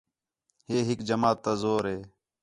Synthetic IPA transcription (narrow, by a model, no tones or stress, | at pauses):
ɦeːɦɪkd͡ʒəmaːt̪ːaːzoːɾɦeː